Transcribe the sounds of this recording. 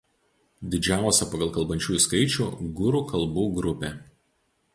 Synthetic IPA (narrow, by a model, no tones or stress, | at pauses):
d̪ʲɪd͡ʒʲæˑʊsʲɛpɐɡɐlˠkɐlˠbɐnʲt͡ʃʲuːjʊskɐɪt͡ʃʲuːˑɡʊɾuːkɐlˠbuːɡɾʊpʲe